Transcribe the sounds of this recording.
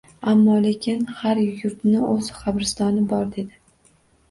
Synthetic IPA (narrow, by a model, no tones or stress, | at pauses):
amːɒlekʲʰɪnhaɾjʊɾt̪nɪozχabɾɪst̪ɒnɪbɒɾd̪e̞d̪ɪ